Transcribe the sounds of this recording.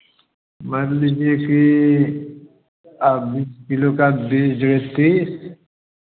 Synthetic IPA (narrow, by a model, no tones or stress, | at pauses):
mɐɾlid͡ʒieki | abiskilokabid͡ʒɾet̪ːis